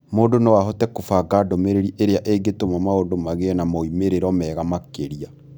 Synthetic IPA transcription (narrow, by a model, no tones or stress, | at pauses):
moːdonowaɦɔtɛkofaɡaːdomeɾeɾiʔeɾeaʔeɡetomamaodomaɣeɛnamɔimeɾeɾɔmɛːɣamakeɾia